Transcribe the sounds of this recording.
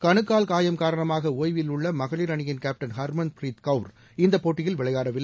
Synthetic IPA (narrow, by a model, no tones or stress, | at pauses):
kɐɳɯkːaːlkaːjɐmkaːɾɐɳɐmaːɣɐoːjʋɪlʊɭːɐmɐɣɐɭɪɾɐɳɪjɪnkaːp̚ʈɐnhɐɾmɐnpɾiːt̪kɐʊɾ | ɪnd̪ɐpːoːʈːɪjɪlʋɪɭɐɪjaːɾɐʋɪlːɐ